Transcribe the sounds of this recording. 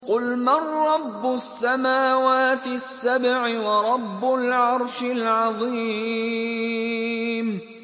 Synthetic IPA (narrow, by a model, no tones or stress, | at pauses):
qʊlmarˤːɑbːʊsːamaːwaːt̪ɪsːabʕɪwɑɾˤɑbːʊlʕɑɾˤʃɪlʕɑðˤiː | m